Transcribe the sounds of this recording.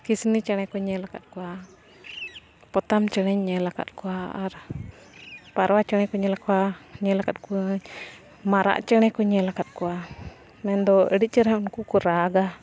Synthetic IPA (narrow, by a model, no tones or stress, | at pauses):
kisnit͡ʃəñɛkɔɲɛlaka̰t̪̚kua | pɔt̪amt͡ʃənɛɲɛlaka̰t̪̚kuaʔaɾa | paɾwat͡ʃənɛkɔɲɛlakwaɲɛlakat̪̚kuɲ | maɾa̰ʔt͡ʃəñɛkɔɲɛlakat̪̚kua | mɛnd̪ɔəɽit͡ʃəɾankukuɾaɡa